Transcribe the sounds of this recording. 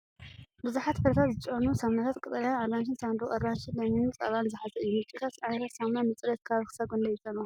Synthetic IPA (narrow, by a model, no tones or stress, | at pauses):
bɨzuħat̪fɨɾt̪ʰat̪zɨt͡ʃʼonusamnat̪ʰat̪kʼɨt̪ʼɐljanaɾɾanʃɨnsand̪ɾuʔʼɐɾɾanʃɨd̪ɐminɨnt͡sʼɐ̰βanzɨħazɐʔɨjːumɨt͡ʃʼikʰasʕanɐt̪ʰat̪samnamɨt͡sʼɾɐt̪kʰaβxɨ̥saɡond̪ɐjɪt͡ʃʼonu